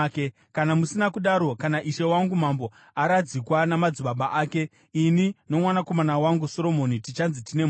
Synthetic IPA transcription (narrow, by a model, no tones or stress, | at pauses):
ke | kanamusinakuɗaɾo̞kanaʔiʃe̞waŋɡumambo̞ | aɾad͡zikwanamad͡ziɓaɓaʔaːke̞ | inino̞mwanako̞manawaŋɡuso̞ɾo̞mo̞nitit͡ʃanzitine̞m